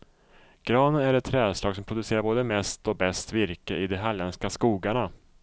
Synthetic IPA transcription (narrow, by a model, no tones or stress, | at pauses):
ɡ̥ɾɑːnənæɾɛt̪ʰːɾɛːd̪slɑːɡsɔmpʰɾʊd̪ɵseːɾaɾboːd̪əmɛst̪ɔbɛst̪vɪɾkəʔɪd̪ɛɦalɛnskaskuːɡaɳa